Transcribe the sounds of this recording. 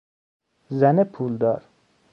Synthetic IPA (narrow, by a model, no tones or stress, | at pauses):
zænepʰuːld̪ɒːɾ